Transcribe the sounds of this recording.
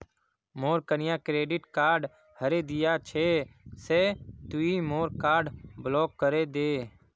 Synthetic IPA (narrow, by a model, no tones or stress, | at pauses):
moːɾkənɪjãːkɾeːɖɪʈkaːɾɖ | həɾeːd̪ɪjaːt͡ʃʰeːseːt̪ʊiːmoːɾkaːɾɖblɔːkːəɾeːd̪eː